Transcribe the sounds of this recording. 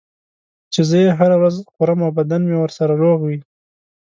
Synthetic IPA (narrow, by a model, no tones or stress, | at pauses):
t͡ʃezəjeɦaɾawɾazqʊɾamawbad̪anmewəɾsaɾaɾoɣwi